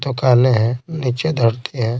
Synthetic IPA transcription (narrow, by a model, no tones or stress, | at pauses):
t̪okaːneɦɛ̃ːnit͡ʃed̪ʱəɽt̪ʰeɦɛ̃ː